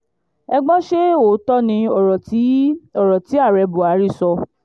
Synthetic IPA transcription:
ɛ˧ɡ͡bɔ̃˦ʃe˦o˨˦tɔ˦nĩ˧ɔ˨˦ɔ˦˨ɾɔ˨ti˨˦a˦˨ɾɛ˧bu˨a˨˦ɾi˦˨sɔ˧

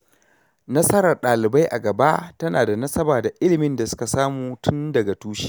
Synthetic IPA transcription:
nɐ˦sɐ˦ɾɐ˨rɗaː˨lɪ˨ba˦jʔa̰˨ɡɐ˨ba˦tɐ˦naː˨da˨nɐ˦sɐ˦baː˨da˨ʔɪ˦lɪ˨mɪ˦nda˨sʊ̥˦ka˨saː˦muː˨tʰʊ˦ndɐ˨ɡa˨tuː˦ʃi̥˦

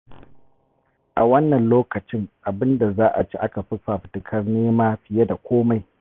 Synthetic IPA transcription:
ʔa˨wɐ˦nːɐ˨nloː˦kɐ˨t͡ʃɪ˦ŋʔa˨bɪ˦nda˨zaː˦ʔa̰˨t͡ʃi˦ʔa˦ka˨ɸɪ˦ɸa˨ɸɪ̥˨tɪ˨kʰɐ˦rneː˦maː˦ɸɪ˨je˦da˨kʷoː˦ma˨j

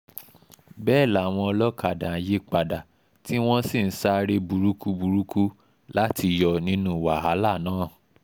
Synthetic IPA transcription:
bɛː˦˨la˨w̃ɔ̃˧ɔ˧lɔ˦ka˨dã˨˦je˦k͡pa˨da˨ | ti˦w̃ɔ̃˦si˦˨n̩˦sa˦ɾe˦bu˨˧ɾu˦ku˦bu˧ɾu˦ku˦ | la˦ti˧jɔ˧nĩ˨˦nũ˦˨wa˨ɦa˨˦la˦˨nãː˦˨

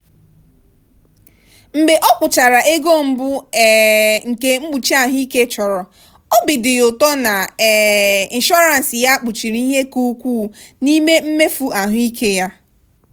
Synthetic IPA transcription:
m̩˨ɡ͡be˨ʔɔ˦k͡pʊ˨t͡ʃa˨ɾa˨ʔe˦ɡo˦m̩˦bʊ˦˨ | ŋ̩˨ke˦ŋ͡m̩˦ɡ͡bu˨t͡ʃi˦a˦ɦʊ˦i˦ke˦t͡ʃɔ˨ɾɔ˨ | ɔ˦bɪ˨dɪ˨ʊ˨tɔ˦na˨ | i˨n˨ʃɔ˦ɾa˨n̩˨sɪ˨ja˦k͡pʊ˨t͡ʃi˨ɾi˦i˦ɦe˦ku˦kʷuː˦˨ni˦me˦m̩˦me˦fu˦a˨ɦʊ˦i˦kʰe˦ja˦

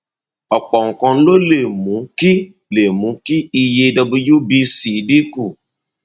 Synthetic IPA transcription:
ɔ˨k͡pɔ˨ŋ̩˨kɔ̃˧n̩˦lo˦le˨mũ˨˦ki˦ | le˨mũ˨˦ki˦i˧je˧dɔ˧bu˧ju˦bi˧si˨˦di˦ku˦˨

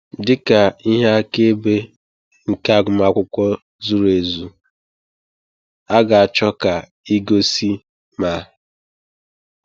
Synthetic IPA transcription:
dɪ˦ka˨i˦ɦa˦a˦ke˦be˦ | ŋ̩˨ka˦˨ɡʷʊ˨ma˦kʷʊ˦kʷɔ˦ | zu˦ɾe˨zu˨ | a˦ɡa˨a˨t͡ʃɔ˦ka˨ | i˦ɡo˦si˦ | ma˨˦

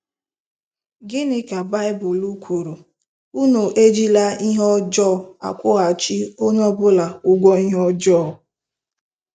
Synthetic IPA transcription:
ɡɪ˦nɪ˨ka˨ba˦ɪ˦bʊ˨lu˦kʷʰu˨ɾo˨ | u˦no˨ʔe˦d͡ʒi˦la˦i˦ɦɔ˦d͡ʒɔ˦˨a̰˨kʷʊ˦ɣa˨t͡ʃi˦o˦ɲɔ˦bʊ˦la˨ʊ˦ɡʷɔ˦i˦ɦɔ˦d͡ʒɔ˦˨

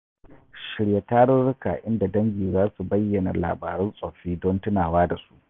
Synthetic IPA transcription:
ʃɪ˨ɽje˨taː˦ɽʊ˦ɾʊ˦ka̰˨ʔɪ˦nda˨dɐ˦ŋɡʲiː˨zaː˦su˨bɐ˦jːɐ˨na̰˨la̰ː˨baː˨ɾʊ˦nsʼɔ˨ɸiː˦dɔ˦ntʊ˦naː˨waː˦da˨su̥˦ʔ

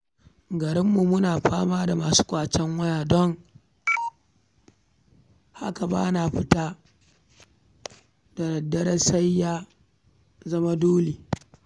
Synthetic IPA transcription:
ɡɐ˨ɾɪ˦mːu˨mʊ˦naː˨ɸaː˦maː˦da˨maː˨su̥ː˦kʷʼaː˨t͡ʃɛ˦ŋwɐ˦jaː˨dɔ˦ŋ | ha̰˦ka˨ba̰ː˦naː˨ɸɪ˦taː˦ | da˨ɾɐ˨dːɐ˦ɾɐ˦sa˦jːaː˦ | zɐ˦ma˦doː˦leː˨

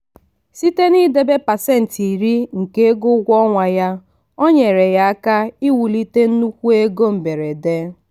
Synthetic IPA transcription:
si˦te˦ni˦de˦be˦pa˨se˦˨n̩˨ti˨ɾi˦ŋ̩˨ke˦ɡʊ˦ɡʷɔ˦ŋʷa˨ja˦ | o˦ɲe˨ɾe˨ja˦a˦ka˦i˦wu˨li˦te˦n̩˦nu˦kʷu˦e˦ɡo˦m̩˨be˨ɾe˨de˦

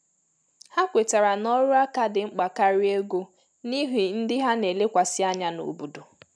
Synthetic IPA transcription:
ha˦kʷe˨ta˨ɾa˨nɔ˦ɾʊ˦a˦ka˦dɪ˨ŋ͡m̩˦k͡pa˨ka˦ɾi˦e˦ɡo˦ | ni˦ɦi˨n̩˦dɪ˦ɦa˦ne˨le˦kʷa˨sɪ˦a˦ɲa˦no̰˨bu˨du˨

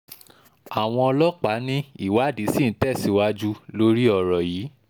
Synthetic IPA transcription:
a˨w̃ɔ̃˧ɔ˧lɔ˦k͡pa˨˦nĩ˦i˦˨wa˨˦˨di˨˦si˦˨n̩˦tɛ˦˨si˨˦wa˦d͡ʒu˦lo˦ɾi˦ɔ˧˨ɾɔ˨jiː˨˦

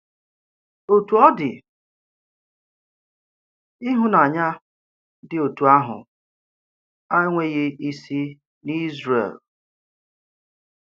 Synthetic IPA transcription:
o˨tu˨ɔ˦dɪ̰˨ | i˦ɦʊ˦na˨ɲa˦ | dɪ˨o˨tu˨a˦ɦʊ̰˨ | a˦ŋʷe˦ɣɪ˦i˦si˦ | ni˦zrḛ˨l

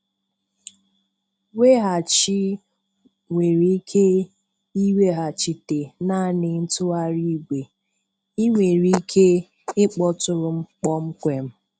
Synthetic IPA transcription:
we˦ɦa˨t͡ʃi˦ | ŋʷe˨ɾi˦kʰe˦ | i˦we˦ɦa˨t͡ʃi˨te˨na˦˨nɪ˨n̩˦tʊ˦a˦ɾi˦ɡʷe˨ | i˦ŋʷe˨ɾi˦i˦kʰe˦ | ɪ˦k͡pɔ˦tʊ˨ɾʊ˨ŋ͡m̩˦k͡pɔ˦ŋ͡m̩˦kʷe˨m̩˦

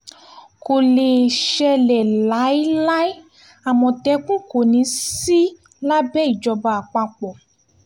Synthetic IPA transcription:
ko˨le˨ʃɛ˧lɛ˨la˨˦i˦la˦i˦ | a˨mɔ̃˨tɛ˨˧k͡pũ˦ko˨nĩ˨˧˦si˦ | la˦bɛ˦i˦˨d͡ʒɔ˧ba˧a˨k͡pa˧k͡pɔ˨

